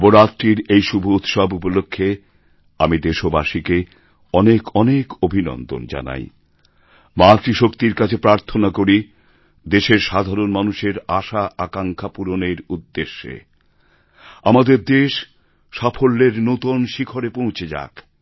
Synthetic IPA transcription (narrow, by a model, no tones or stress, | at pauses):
boɾat̪ɾiɾejʃubʱuut̪ʃabupolokʰːe | amid̪eʃobaʃike | ɔnekʰɔnekobʱinɔ̰nd̪o̰nd͡ʑa̰na̰j | mat̪ɾiʃokt̪iɾkat͡ɕʰepɾaɾt̪ʰonakoɾi | d̪eʃeɾʃad̪ʱaɾonmanuʃeɾaʃaakaŋkʰapuɾoneɾud̪ːeʃːḛ | amad̪eɾd̪eʃ | ʃafʰolːeɾnot̪onʃikʰoɾepõw̃t͡ɕʰed͡ʑa̰k